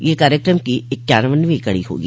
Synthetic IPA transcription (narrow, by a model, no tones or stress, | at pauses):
jeːkaːɾjəkɾəmkiɪt̪ːjaːnʋənʋĩkɐɽiɦo̰ːɡi